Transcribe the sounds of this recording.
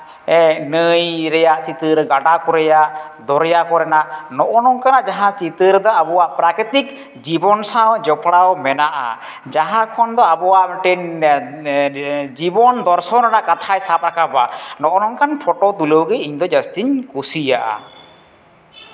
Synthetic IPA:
ɛnəjɾɛjaʔt͡ʃit̪ɨɾɡaɖakɔɾɛjaʔd̪ɔɾɛjakɔɾɛnaʔnɔʔɔnɔŋkanaʔd͡ʒaɦãt͡ʃit̪ɨɾd̪aabɔwaʔpɾakɾit̪ik | d͡ʒibɔnsawd͡ʒɔpɽawmɛnaʔa̰ | d͡ʒaɦãkʰɔnd̪ɔabɔwaʔmɛʈɛɲ | d͡ʒibɔnd̪ɔɾsɔnɾanaʔkat̪ʰajsap̚ɾakabanɔʔɔnɔŋkanpʰɔʈɔt̪uləwɡɛiɲd̪ɔd͡ʒəst̪iɲkusijaʔa̰

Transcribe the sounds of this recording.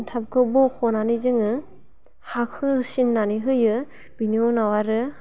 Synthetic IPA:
ntʰap̚kʰɯbɔkʰɔnanizɯŋɯ | hakʰɯsinːaniɦɯjɯ | b̥iniɔnawaɾɯ

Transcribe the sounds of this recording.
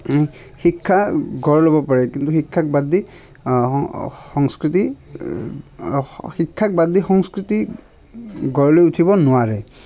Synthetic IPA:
xikʰːaɡɔɹlobɔpaɹɛkint̪uxikʰːak̚bad̪ʱi | xɔŋskɹiti | xikʰːak̚bad̪ʱixɔŋskɹiti | ɡɔɹlojutʰibɔnʊwaɹɛ

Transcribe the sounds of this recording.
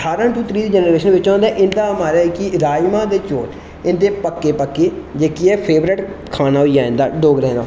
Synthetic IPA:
əʈʰaːɾãːʈuːt̪ʰɾiːd̪eːd͡ʒɛnɾeːʃənʋɪt͡ʃɔ̃ːnd̪aːʔɪnd̪aːmaːɾaːɛkiɾaːimãːd̪eːt͡ʃoːɾ | ɪnd̪eːpəkːeːpəkːeːd͡ʒeːkiɛːpʰeːʋɾɪʈkʰaːnaːɦoiːaːɪ̃nd̪aːɖoːɡɾɛ̃ːnd̪aː

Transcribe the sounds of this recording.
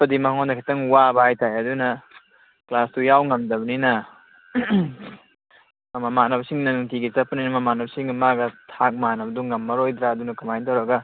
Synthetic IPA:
pɐdimɐkaŋondɐkʰitɐŋwabɐajtʰajɐdunɐ | klastujawŋɐmdɐbɐninɐ | ɐmɐmanɐbsiŋnɐnuŋtiɡisɐpːɐninɐmɐmanɐb̚siŋɡɐmaɡɐtʰak̚manɐbɐduŋɐmːɐɾojd̪ɾaɐdunɐkɐmajntawɾɐɡɐ

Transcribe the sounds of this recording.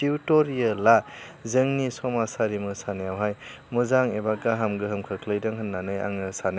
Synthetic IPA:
iwtɔɾijɯla | zɯŋnisɔmasaɾimɯsanejawɦaj | muzaŋebaɡaɦamɡɯɦɯmkʰɯkʰlɯjdɯŋɦɯnːanɯja̰ŋnɯsan

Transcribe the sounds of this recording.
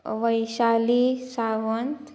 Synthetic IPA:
ʋəjɕalisaʋənt̪

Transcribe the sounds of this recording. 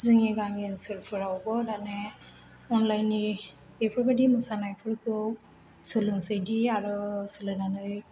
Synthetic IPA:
zɯŋiɡamiɯnsɯlpʰɯɾawbɔdane | ɔnlajni | epʰiɾbadimɯsanajpʰɯɾɡɯw | sɯlɯŋzɯjdiaɾɯsɯlɯnanɯj

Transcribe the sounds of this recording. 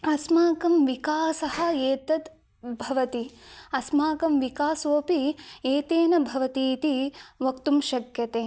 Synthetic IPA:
ɐsmaːkɐmʋikaːsɐhɐ̆eːt̪ɐt̪ | bʱɐʋɐt̪iɐsmaːkɐmʋikaːsoːpieːt̪eːnɐbʱɐʋɐt̪iːt̪iʋɐkt̪umʃɐɡjɐt̪eː

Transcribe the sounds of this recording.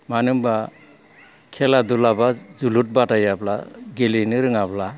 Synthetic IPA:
manɯmba | kʰɛladulabazulut̚batajapla̰ɡelinɯɾɯŋapla

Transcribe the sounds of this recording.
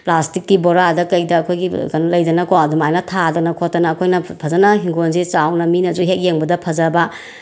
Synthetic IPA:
plastikːiboɾadɐkɐjdɐːkʰojɡikɐnlɐjdɐnɐkoɐdumajnɐtʰadɐnɐkʰotːɐnɐːkʰojnɐpʰɐzɐnɐɦiŋɡonzist͡ʃawnɐminɐd͡ʒuɦek̚jeŋbɐdɐpʰɐzɐbɐ

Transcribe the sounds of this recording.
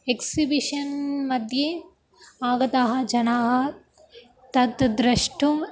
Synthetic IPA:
eksibiʃɐnmɐd̪ʱje | aːɡɐt̪aːɦɐ̆d͡ʒɐnaːɦɐ | t̪ɐt̪d̪ɾɐʂʈum

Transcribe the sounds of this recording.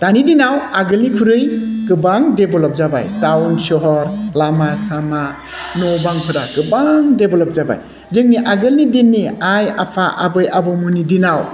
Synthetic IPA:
d̥anidinawaɡɯlnikʰuɾɯjkɯbaŋdebɔlɔp̚zaba̰jtawnsɔɦɔɾlamasama | nɔbaŋpʰɯɾakɯbaŋdebɔlɔp̚zaba̰j | zɯŋniʔaɡɯlnidinːiajapʰaʔabɯjʔabɔmunidinaw

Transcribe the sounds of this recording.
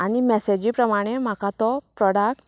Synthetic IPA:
aɽ̃imɛsed͡ʑipɾəmaɽ̃em̤akat̪ɔpɾɔɽak̚ʈ

